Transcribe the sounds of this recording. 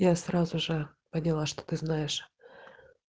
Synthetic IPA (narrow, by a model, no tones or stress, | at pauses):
jasrazʊʐɨ | pənʲɪlˠaʂt̪o̥t̪ɨznajɪʂ